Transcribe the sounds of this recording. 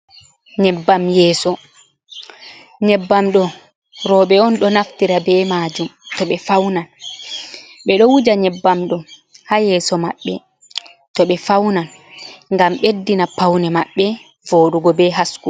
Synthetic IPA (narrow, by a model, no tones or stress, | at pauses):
ɲɛbːamjɛːsɔ | ɲɛbːamɗɔ | ɾɔɓɛɔnɗɔnaftiɾabɛmaːd͡ʒumtɔɓɛfawnan | ɓɛɗɔwud͡ʒaɲɛbːamɗɔhajɛːsɔmaɓːɛ | tɔɓɛfawnan | ŋɡamɓedːinapawnɛmaɓːɛ | voːɗuɡɔbɛɦasku